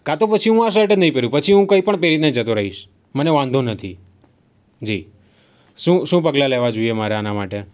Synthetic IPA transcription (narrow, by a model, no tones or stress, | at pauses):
kat̪opət͡ʃʰiɦũaʃ̬əʈənəɦĩpeɾũpət͡ʃʰiɦũkəipəɳpeɾit̪ned͡ʒət̪oɾəɦiʃ | məneʋãnd̪ʱonət̪ʰi | d͡ʒi | ʃũʃũpəɡlaleʋad͡ʒoiemaɾeanamaʈe